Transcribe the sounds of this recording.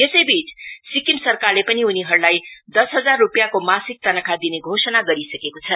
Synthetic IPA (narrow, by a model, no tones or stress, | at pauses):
esʌjbit͡ssikimsʌrkarlepʌniuniɦʌɾulajd̪ʌsɦʌd͡zarːupjakomasik̚t̪ʌnakʰad̪ineɡʱosʌnaɡʌɾisʌkekot͡sʰʌ